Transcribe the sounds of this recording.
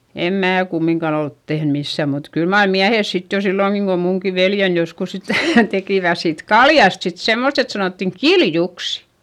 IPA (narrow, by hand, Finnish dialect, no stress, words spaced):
em mæː kumːiŋkɑn olt tehn misːæˑ mut kyl mɑr miæhes sit jo silːoˑŋki kom muŋki ʋeljen joskus sitæˑ tekiˑʋæ siːt kɑljɑst sit semːost et sɑnoˑtːiŋ kiljuks